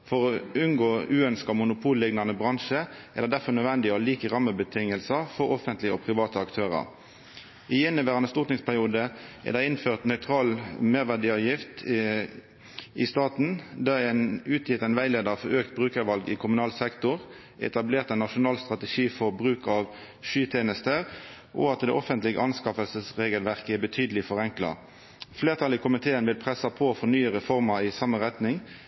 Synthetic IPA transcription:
fɔʁɔʉnɡoːʉːœnskɑmʊnʊpʰuːllɪɡnɑnəbʁɑŋʃəæd̪ɛd̪æʁfɔʁnœd̪ʋɛnd̪ɪəɔliːkəʁɑmːəbət̪ʰɪŋəlsəfɔʁɔfənt̪lɪəɔpʰʁɪʋɑːt̪əɑkt̪ʰøːʁɑ̰ʁ | ɪɛnːəʋæːʁɑnəst̪ʊːʁt̪nɪŋspʰæʁɪuːd̪əʔɛ̰ʁd̪æɪɪnføːʁt̪nœʏt̪ʰʁɑːlmeːʁʋæd̪iːɑːʋjɪft̪ | ʔɪst̪ɑːt̪n̩d̪ɑænʉːt̪ʰjɪt̪æɪnʋæɪleːd̪əʁɑfɔɾøːkt̪̚bʁʉːkəʁʋɑlɡɪkʰʊmʉnɑːlsɛkt̪ʊʁ | ɛ̰t̪ɑbleːʁt̪ænːɑʂʊnɑːlst̪ʁɑt̪əʃiːfɔʁbʁʉːkɑʋ | ʃyːt̪ʰeːnəst̪əʁ | ʔɔ̰ɑt̪d̪ɛ̰ʔɔfənt̪lɪɡə̰ʔɑnskɑfəlsəsʁeːɡəlʋæʁkəɛbət̪ʰyːd̪əlɪfɔʁɛŋklɑ̰ | fleːʁt̪ʰɑlɪkʰʊmɪt̪ʰeːənʋɪlpʰʁɛsɑpʰɔfɔnyːəʁəfɔʁmɑɪsɑməʁɛt̪nɪŋ

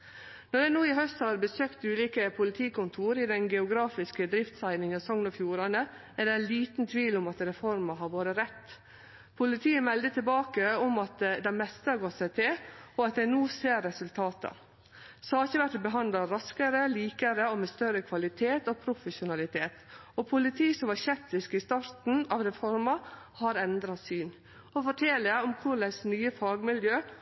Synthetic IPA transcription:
nɔɾd̪ɛnuːɪɦœst̪hɑɾbəsøːkt̪ʉːliːkəpʰʊlɪt̪ʰiːkʊnt̪ʰuːɾɪd̪ɛnɡɛʊɡɾɑːfɪskəd̪ɾɪft̪sæɪnɪŋɑsɔŋnɑfjuːɾɑnə | æɖɛliːt̪n̩t̪ʰʋiːlʊmɑt̪ɾɛfɔɾmɑɦɑɾʋoːɾəɾɛt̪ː | pʰʊlɪt̪ʰiːəmɛld̪ət̪ʰɪlbɑːkəɔmɑt̪d̪ɛmɛst̪əhɑɾɡɔt̪sæɪt̪ʰɪlɔɑt̪̚d̪æɪnuːseːɾːɛsʉlt̪ʰɑːt̪ə̰ | sɑːɾçəʋæʈbəɦɑnd̪lɑɾɑskəɾəliːkəɾəomɛst̪œɾəkʰʋɑlɪt̪ʰeːt̪ɔpʰɾʊfəʃʊnɑlɪt̪ʰeːt̪ɔpʰʊlɪt̪ʰiːsɔmʋɑɾçɛp̚t̪ɪskɪst̪ɑɾt̪n̩ɑʋɾɛfɔɾmɑ | hɑɾɛnd̪ɾɑsyːn | ɔfɔʈʰɛləɔmkʰʊɾlæɪsnyːəfɑːɡmɪljøː

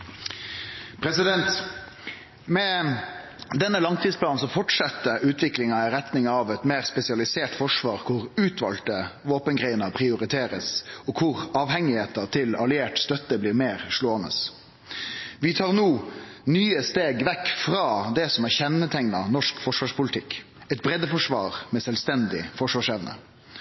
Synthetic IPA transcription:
pʰɾɛsɪd̪ɛnt̪ | mɛ | d̪ɛnːəlɑŋt̪ʰiːd̪splɑːn̩sɔfɔʈsɑt̪ːəʔʉːt̪ʰʋɪklɪŋɑɪɾɛt̪nɪŋɑʋɛt̪meːʁspɛsɪɑlɪseːʈfɔʂʋɑːɾkʰʊɾʉːt̪ʰʋɑ̰lt̪əʋoːpənɡʁeɪnəpʰʁɪʊɾɪt̪ʰeːɾə̰sɔkʰʊʁɑːʋhɛŋɪheːt̪ət̪ʰɪlɑlɪeːʈst̪œt̪ːəbliːɾmeːʁʂloːənə̰s | ʋɪt̪ʰɑːʁnuːnyːəst̪eːɡʋɛkːfɾɑːd̪ɛsɔmæçɛnːət̪ʰɛŋnɑnɔʂkfɔʂʋɑːʂpʰʊlɪt̪ʰɪk | ɛt̪̚bɾɛd̪ːəfɔʂʋɑ̰ːɾmɛsɛlst̪ɛnd̪ɪ̰fɔʂʋɑːʂɛʋnə̰

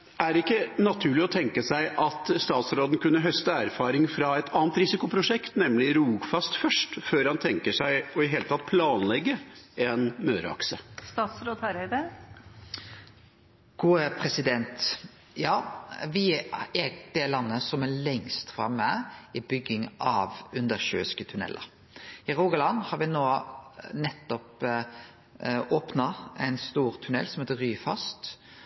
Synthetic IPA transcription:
æɾɪkːənɑt̪ʰʉːɭɪɔt̪ʰɛŋkəsæɪʔɑt̪st̪ɑːt̪sɾoːd̪n̩kʰʉnːəɦœst̪əæːɾfɑːɾɪŋfɾɑɛt̪ʰɑːnt̪ɾɪsɪkʊpʰɾʊʂɛkt̪nɛmlɪɾuːɡfɑst̪fœʂʈføːɾhɑnt̪ʰɛŋkəʂæɪɔɪɦeːlət̪ʰɑt̪̚pʰlɑːnlɛɡːəɛnmøːɾə̰ɑ̰ksəst̪ɑːt̪sɾoːd̪hæɾəɪd̪e | ɡ̥uːəpʰɾɛsɪd̪ɛnt̪ | jɑːʋɪɛd̪̥ɛlɑnːəsɔmɛlɛŋst̪fɾɑmːəɪbʏɡɪŋʔɑʋʉnd̪əɾʃøːskət̪ʰʉnɛ̰lʔə̰ɾ | ɪɾoːɡəlɑnhɑɾʋɪnoːnɛt̪ːɔp | oːpnɑɛɪnst̪uːɾt̪ʰʉnɛ̰lːsɔmheːt̪əɾyːfɑ̰st̪

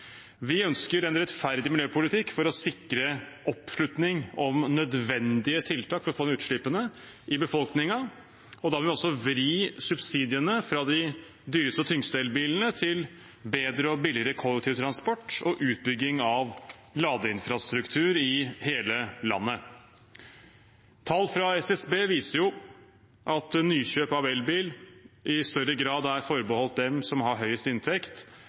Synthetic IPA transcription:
ʋɪœnskəɾɛnɾɛt̪fæɾd̪ɪmɪljøːpʊlɪt̪ʰɪkːfɔɾɔsɪkɾəʔɔpʂɭʉt̪nɪŋɔmnœd̪ʋɛnd̪ɪət̪ʰɪlt̪ʰɑːkfɔɾɔfoːd̪ɛnʉːt̪ʂɭɪpənə | ʔɪbəfɔlknɪŋɑ | ɔd̪ɑːmlʋɪɔsːɔʋɾiːsʉbsiːd̪ɪənəfɾɑd̪ɪ | d̪yːɾəst̪ət̪ʰʏŋst̪ɛːlbiːln̩ət̪ʰɪl | beːd̪ɾəɔbɪlɪɾəkʰɔlːəkt̪ʰɪʋt̪ʰɾɑnspɔʈːɔʔʉːt̪̚bʏɡːɪŋɑʋlɑːd̪əɪnfɾɑst̪ɾʉkt̪ʰʉːɾɪheːləlɑ̰nːə | t̪ʰɑlːfɾɑɛsɛsbeːʋiːsəɾjʊ | ʔɑt̪nyːçøːpɑʋɛlbiːlʔɪst̪œɾəɡɾɑːd̪æɾfɔɾbəhɔlt̪̚d̪ɛmsɔmɦɑɾɦœʏəst̪ɪnt̪ʰɛkt̪

